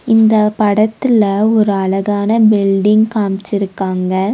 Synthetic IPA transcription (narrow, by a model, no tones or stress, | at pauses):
ɪnd̪ɐpɐɽɐt̪ːɪlɐɔɾɯɐlɐɣaːnɐbɪlɖɪŋkaːmt͡ʃːɪɾɯkːaːŋɡɐ